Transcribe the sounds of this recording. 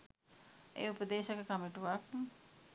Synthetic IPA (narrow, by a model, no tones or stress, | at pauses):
ḛːupəd̪eːʃɐkəkamiʈuʋak